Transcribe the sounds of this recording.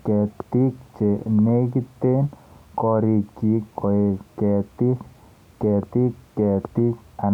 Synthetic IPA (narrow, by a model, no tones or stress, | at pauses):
kɛt̪ik̚t͡ʃenekit̪ːenkɔɾikikɔekɛt̪ik | kːɛt̪ikːɛt̪ik̚a